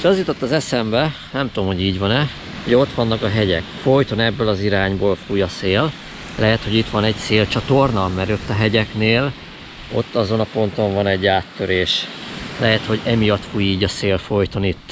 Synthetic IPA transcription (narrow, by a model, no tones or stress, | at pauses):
ʃɒzjut̪o̞t̪ːɒzɛsɛmbɛ | nɛmt̪uomho̞ɟiːɟʋɒnɛ | uɟɛo̞t̪ʋɒnːɒkɒɦɛɟɛ̰kfo̞jt̪o̞nɛbːølɒziɾaːɲboːlfuːjɒseːl | lɛɦɛt̪ho̞ɟit̪ʋɒnɛɟseːlt͡ʃɒt̪ornɒmɛɾot̪ːɒɦɛɟɛkneːl | o̞t̪ːɒzo̞nɒpo̞nt̪o̞ɱvɒnɛɟːaːt̪ːøɾeːʃlɛɦɛt̪ho̞ɟɛmijɒt̪fuːjiːɟɒseːlfo̞jt̪o̞nit̪ː